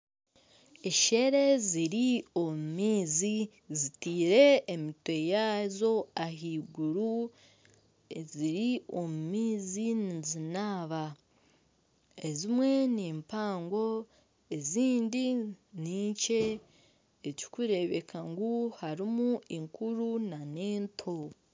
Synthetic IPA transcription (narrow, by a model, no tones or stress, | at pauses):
eʃe̞ɾe̞ziɾio̞mumiːzi | zitiːɾe̞ːmitwe̞jaːzo̞aɦiːɡuɾu | ziɾio̞mumiːzinizinaːβa | e̞zimwe̞niːmpaːŋɡo̞ | e̞ziːndiniːɲce̞ː | ci̥kuɾe̞βe̞̰kʰaŋɡuhaɾimuiŋkuɾunaneːntʰo̞